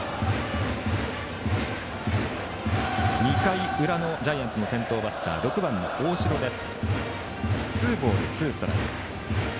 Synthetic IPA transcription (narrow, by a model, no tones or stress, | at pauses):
ɲ̟ikaiɯ̟ɾano̞d͡ʑaijãnt͡sɨno̞sẽ̞nt̪o̞ːbat̪ːa̰ɾo̞kɯ̟bãnːo̞̰ʔoːɕiɾo̞d̪e̞sɨ̥ | t͡sɨːbo̞ːɾɯt͡sɨːsɨ̥t̪oɾa̰k